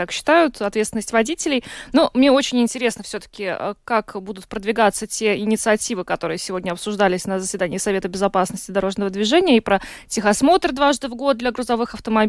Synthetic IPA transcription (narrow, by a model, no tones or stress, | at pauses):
akɕːɪ̥t̪ajʊt̪ɐt̪vʲet̪st̪ʲnəsʲtʲvɐdʲitʲɪlʲɪjnumnʲeo̞t͡ɕɪnʲɪnʲtʲɪɾʲe̞snəfsʲɵt̪ə̥kʲɪ̰kakbud̪ʊt̪̚pɾəd̪vʲɪɡat̪sətʲeɪnʲɪt̪sɨɐtʲivɨkɐt̪o̞ɾɨjəsʲɪvo̞dʲnʲəɐpsʊʐd̪alʲɪsʲnəzəsʲvʲɪd̪anʲɪːsɐvʲe̞t̪əbʲɪzɐpasnəsʲtʲɪd̪ɐɾo̞ʐnəvəd̪vʲɪʐɛnʲɪjəipɾə | tʲɪxɐsmo̞t̪rd̪vaʐd̪ɨvɡo̞t̪̚d̪lʲɐɡɾʊzɐvɨxɐft̪əmɐbʲ